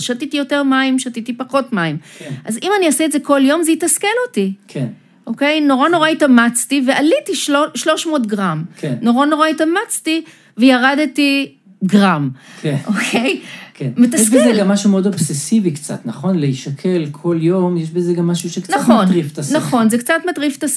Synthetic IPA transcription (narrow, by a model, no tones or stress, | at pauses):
ʃatitijo̞teʁmaimʃatitipaχo̞tmaimenʔazimaniasɛtzekoljo̞mzejitaskelotikʰen | ʔo̞ke̞jno̞ʁano̞ʁaitamat͡stivealitiʃoʃlo̞ʃmo̞tɡʁamkʰenno̞ʁano̞ʁaitamat͡sti | vejaʁadeti | ɡʁamkenʔokʰejkʰenmejt̬aɛskbezeɡamːaʃumeodobsesivikt͡sa̰t̪nɐχo̞nleiʃakʰe̞lkʰo̞ljo̞mjeʃbezeɡamːaʃuʃeknnaχonʁiftasnaχo̞nzekt͡satmatʁiftas